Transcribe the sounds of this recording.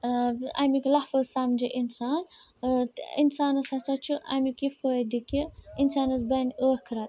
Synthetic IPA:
a̰miklɐhfozsamd͡ʒiʔinsaːn | insaːnɐsɐsɐt͡ʃʰuʔa̰mikifoːd̪ikiinsaːnɐsbɐnoːhkʰɾɐt̪

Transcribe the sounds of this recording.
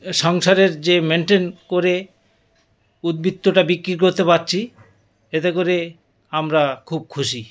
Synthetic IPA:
ʃɔŋʃaɾeɾd͡ʑemeɳʈenkoɾe | ud̪̚bit̪ːoʈabikːɾik̬oɾt̪epaɾt͡ɕʰi | et̪ekoɾe | amɾakʰub̚kʰuʃi

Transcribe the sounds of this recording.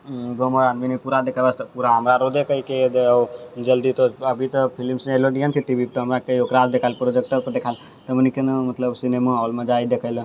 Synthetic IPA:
ɡoməɾanminipuɾad̪ekʰəbəst̪puɾaɦəmɾaɾod̪ekʰəiked̪eəwd͡ʒəld̪it̪oəbʱit̪əpʰilimseloɖijənt̪ʰiʈ̪ibit̪oɦəmɾakejokɾald̪ekʰalpɾod͡ʒek̚ʈəɾpəd̪ekʰal | t̪əmənikenmɐt̪ləbsinemaɔːlmə̃d͡ʒajd̪ekʰəɪl

